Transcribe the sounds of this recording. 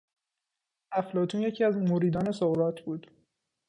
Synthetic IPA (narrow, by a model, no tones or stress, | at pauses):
ʔæflɒːt̪ʰuːnje̞cʰiːæzmoɾiːd̪ɒːne̞soɣɾɒːt̪ʰbuːd̪̥